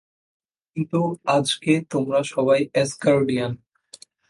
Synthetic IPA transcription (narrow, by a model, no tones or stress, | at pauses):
kint̪uad͡ʑket̪omɾaʃɔbajɛskaɾɖijan